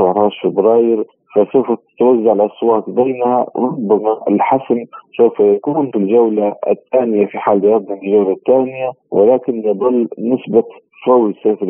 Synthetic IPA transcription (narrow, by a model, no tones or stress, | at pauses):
ɾˤɑːʃfɪbɾɑːjɪɾ | fasawfat̪ɪ̥t̪wazːaʕɪlʔɑsˤwɑːt̪ˤbaːnha̰ɾˤʊbːamaʔɪ̰lħasnsawfajakuːnfilʒawlaɪ̰t̪ːaːnɪjafiħaːld̪jɑd̪ˤnɑmɪlʒawlat̪ːaːnɪja | wʔɪlaːkɪnjɨd̪ˤɑlːnɪsba | fawsaːfɪɾ